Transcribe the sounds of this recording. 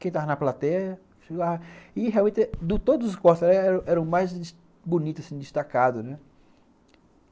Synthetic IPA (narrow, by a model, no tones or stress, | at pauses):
kẽt̪avɐnɐplat̪ɛɐ | ʃeɡavɐɪɦeawmẽt̪ɪd̪ʊt̪od̪ʊzʊskɔɾt̪laɛɾɐ̃ʔɛɾɐ̃w̃majzd̪ | bonit̪ʊzasĩd̪ɪst̪akad̪ʊnɛ